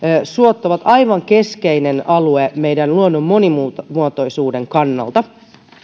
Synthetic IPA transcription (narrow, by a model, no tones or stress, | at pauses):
suot̪ːoʋɑt̪ɑjʋɑŋke̞skeinenɑlueme̞jdænluonːomːo̞nimumuot̪o̞jsuːde̞ŋkɑnːɑ̰lt̪ɑ